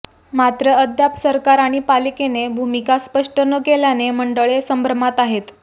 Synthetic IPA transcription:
mat̪ɾəəd̪japsəɾkaɾaɽ̃ipalikenebʱumikaspəʂʈənəkeljaneməɳɖəɭesəmbʱɾəmat̪aɦet̪

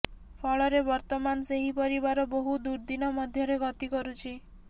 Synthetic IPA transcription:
pʰɔɭɔɾebɔɾt̪ɔmanseɦipɔɾibaɾɔboɦud̪uɾd̪inɔmɔd̪ʱjɔɾeɡɔt̪ikɔɾut͡ʃʰi

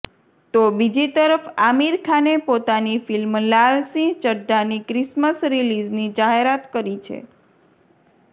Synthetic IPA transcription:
t̪obid͡ʒit̪əɾəfamiɾkʰanepot̪anifilmlalsĩt͡ʃəɖːanikɾisməsɾilid͡ʒnid͡ʒaɦeɾat̪kəɾit͡ʃʰḛ

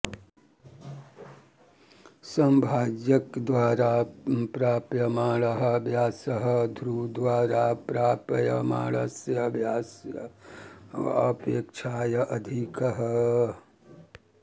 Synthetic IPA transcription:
sɐmbʱaːd͡ʒjɐkd̪ʋaːɾaːpɾaːpjɐmaːɭɐɦɐ̆bʱjaːsɐɦɐ̆d̪ʱɾuːd̪ʋaːɾaːpɾaːpɐjɐma̰ːɭɐsjɐbʱjaːsjɐ | ɐpeːkt͡ʃʰaːjɐʔɐd̪ʱikɐɦɐ

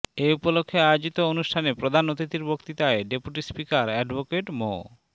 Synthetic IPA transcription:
eupolokʰːeajod͡ʑit̪oonuʃʈʰanepɾod̪ʱanːot̪it̪iɾbʱokt̪it̪aeɖepuʈispikaɾɛɖbokeʈmo̰

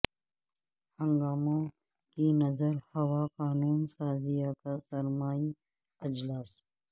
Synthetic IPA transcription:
hɐ̃ŋɡaːmõ | kinɐzəɾhɐwaːqaːnuːnsaːzijakasɐɾmaːi | ɐd͡ʒlaːs

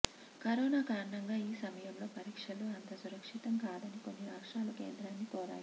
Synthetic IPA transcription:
kɐɾɔːnaːkaːɾɐɳɐŋɡaːiːsɐmɐjɐmlo̞ːpɐɾiːkʂɐluɐnt̪ɐsuɾɐkʂit̪ɐmkaːd̪ɐniko̞nːiɾaːkʂʈaːlukḛːnd̪ɾaːnːikɔːɾa̰ːji

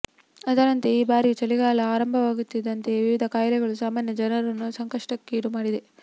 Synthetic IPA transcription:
ɐd̪ɐɾɐnt̪e̞iːbaːɾit͡ʃɐliɡaːlɐaːɾɐmbʱɐʋaːɡut̪ːid̪ɐnt̪e̞ʋiʋid̪ʱɐkaːjɐlɛɡɐɭusaːmaːnjɐd͡ʒɐnɐɾɐnːusɐŋkɐʂʈɐkːeːɽumaːɽid̪e

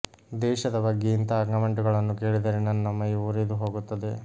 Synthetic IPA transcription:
d̪ɛːʃɐd̪ɐbɐɡːiːnt̪ɐɐɡnɐmɐɳʈuɡɐɭɐnːukeːɭid̪ɐɾenɐnːɐmɐjuuɾed̪uɦo̞ːɡut̪ːɐd̪e̞

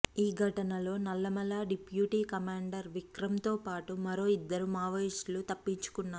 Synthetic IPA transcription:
iːɡʱɐʈɐnɐlo̞ːnɐlːɐmɐlaːɖipjuːʈiːkɐmaːɳɖɐɾʋikɾɐmt̪o̞ːpaːʈumɐɾo̞ːid̪ːɐɾumaːʋɐislut̪ɐpːiɲt͡ʃu̥kunːaː

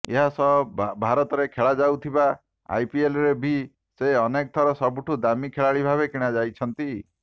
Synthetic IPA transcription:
eɦasɔbʱaɾɔt̪ɔɾekʰeɭad͡ʒawt̪ʰiba | a̰jpielɔɾebʱi | seɔnek̚t̪ʰɔɾɔsɔbuʈʰud̪amikʰeɭaɭibʱaβekiɽ̃ad͡ʒajt͡ʃʰɔnt̪i

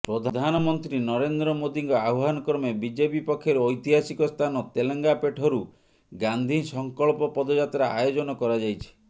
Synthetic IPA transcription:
pɾɔd̪ʱad̪ʱanɔmɔnt̪ɾinɔɾend̪ɾɔmod̪iŋkɔauɦanɔkɔɾmebid͡ʒepipɔkʰːjeɾɔjt̪iɦasikɔst̪ʰanɔt̪eleŋɡapeʈʰɔɾu | ɡand̪ʱisɔŋkɔɭpɔpɔd̪ɔd͡ʒat̪ɾaa̰jod͡ʒɔnɔkɔɾad͡ʒajt͡ʃʰi̥

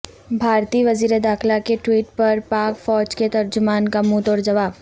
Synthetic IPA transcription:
bʱaːɾt̪iːʋɐziːɾed̪aːxlakeʈwiːʈpɐɾpaːkfɔːd͡ʒket̪ɐɾd͡ʒʊmaːnkamut̪ɔːɾd͡ʒɐʋaːb

